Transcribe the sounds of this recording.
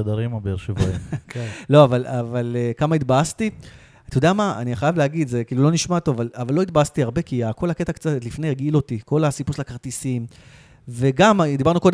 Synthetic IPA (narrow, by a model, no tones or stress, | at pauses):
ad̪aʁimabeeʁʃevokelo̞avalavalekamait̪baast̪i | t̪ajodeamaa̰niχajavleaɡid̪zekiːlulo̞niʃmat̪ovavalavalːo̞it̪̚baast̪iaʁbe̞kiako̞lhaket̪akt͡sat̪tlifnejaɡilo̞t̪iko̞lasipuslakaʁt̪isim | ve̞ɡamd̪ibaʁnuko̞d̪